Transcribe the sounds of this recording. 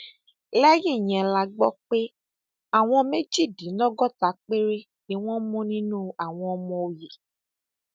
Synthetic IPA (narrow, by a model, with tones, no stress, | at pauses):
lɛ˦ji˦˨j̃ɛ̃˧la˧ɡ͡bɔ˦k͡pe˦ | a˦˨w̃ɔ̃˧me˦d͡ʒi˦˨dĩ˨˦lɔ˦ɡɔ˦ta˨˦k͡pe˦ɾe˦ | nĩ˦w̃ɔ̃˦mɔ̃˦nĩ˦nũ˦a˨w̃ɔ̃˧ɔ˧mɔ̃˧o˨je˨